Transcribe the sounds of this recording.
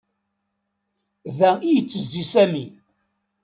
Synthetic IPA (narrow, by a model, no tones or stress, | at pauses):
ðæijət͡sːəzd̪isæmi